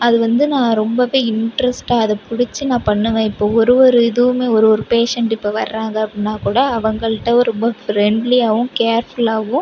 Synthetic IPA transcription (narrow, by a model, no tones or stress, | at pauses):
ɐðɯʋɐnd̪ɯnãːɾɔmbɐʋeːɪɳʈɾɛsʈaːɐðɐpʊɽɪt͡ʃːɯnãːpɐɳːɯʋẽːɪpːoːɔɾɯʋɔɾɯɪðɯʋɯmeːɔɾɯʋɔɾɯpeːʂɛɳʈɪpːoʋɐɾːaːŋɡɐɐpːɽɪnːaːkuːɽɐːʋɐŋɡɐɭɯʈːɐɾɔmbɐfɾɛɳɖliaːɣʊ̃keːɾfʊlaːɣʊ̃